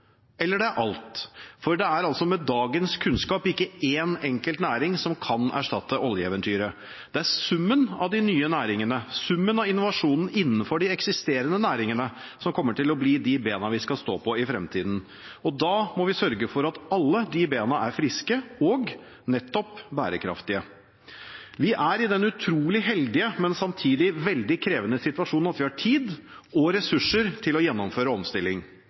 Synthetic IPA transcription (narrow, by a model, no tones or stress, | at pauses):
ɛlːəɖɛæɾʔɑlt̪fɔɾɖɛæɾɑlsɔmɛd̪ɑːɡənskʰʉnskɑːpɪkːəeːnɛŋkəlt̪næːɾɪŋsɔmkʰɑnæ̰ʂʈɑt̪ːəʔɔljəɛːʋənt̪ʰyːɾə | d̪̥ɛæɾsʉmːənɑ̰ʋd̪ɪnyːənæːɾɪŋənəsʉmːənɑʋɪnʊʋɑʂuːnn̩ɪnːnfɔɖɪɛksɪst̪eːɾənənæːɾɪŋənə | sɔmkʰɔmːəʈɪlɔbliːd̪ɪbeːnɑʋɪskɑst̪o̰ːpʰɔɪfɾɛmt̪ʰiːd̪n̩ | ɔd̪ɑːmɔʋɪsœɾɡəfɔɾɑt̪ɑlːəd̪ɪbeːnɑʔæɾfɾɪskəɔɡ | nɛt̪ːɔpbæ̰ːɾəkʰɾɑ̰ft̪ɪə | ʋɪʔæɾɪd̪ɛnʉt̪ʰɾuːlɪɦɛld̪ɪəmɛnsɑmt̪ʰiːd̪ɪʋɛld̪ɪkʰɾeːʋənəsɪt̪ʋɑʂuːnnɑt̪ʋɪhɑʈʰiːd̪ | ɔɾɛsʉʂːəɾt̪ʰɪlɔjɛnːɔmføːɾəɔmst̪ɪlːɪŋ